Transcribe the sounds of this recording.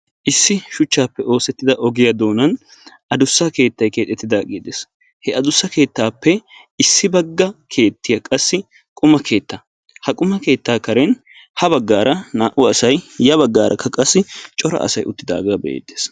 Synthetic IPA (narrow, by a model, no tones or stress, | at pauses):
ʔɪsːɪʃʊt͡ʃːaːpːɛo̞ːsɛt̪ːɪd̪ɐʔɔɡɪjɐd̪o̞ːnɐn | ɐd̪ʊsːɐke̞ːt̪ːɐjke̞ːt̪ːɛt̪ːɪd̪aːɡiːd̪eːs | hɛɐd̪ʊsːɐke̞ːt̪ːaːpːɛ | ɪsːɪbɐɡːɐkʰe̞ːt̪ːɪjɐkʼɐsːɪ | kʼʊmɐkʰe̞ːt̪ːɐ | hɐkʼʊmɐke̞ːt̪ːaːkɐɾɛn | hɐbɐɡːaːɾʔɐnaːʔʊɐsɐjjɐbɐɡːaːɾʔɐ̰kʰːɐkʼɐsːɪt͡ʃʼɔɾɐ̰ʔɐ̰sɐjʊt̪ːɪd̪a̰ːɡaːbɛ̰ḛːd̪ːe̥ːs